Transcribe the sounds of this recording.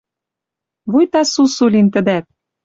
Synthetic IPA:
βujt̪ɑsusulʲint̪ə̆d̪æt̪̚

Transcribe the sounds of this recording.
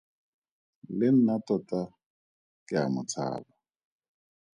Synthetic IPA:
lɪn̩natɔtʼa | kʼɪa̰mʊt͡sʰa̰ːba

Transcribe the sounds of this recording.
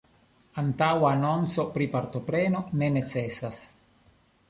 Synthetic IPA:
ant̪awanɔnt̪sopɾipaɾt̪opɾɛːnonenet͡sɛsas

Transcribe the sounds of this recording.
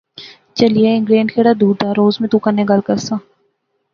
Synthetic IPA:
t͡ʃɐlijeɪ̃ŋɡɾeːnɖkʰeːɽad̪uːɾd̪aːɾoːzmẽt̪ũkɐnːeɡɐlkəɾsãː

